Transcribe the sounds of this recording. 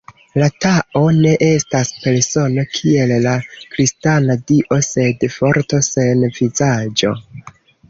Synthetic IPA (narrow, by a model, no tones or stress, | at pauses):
lataʔo̞ne̞ʔe̞staspe̞ɾso̞no̞kʰie̞llakɾistanadiʔo̞se̞dfo̞ɾto̞se̞nvizad͡ʒo̞̰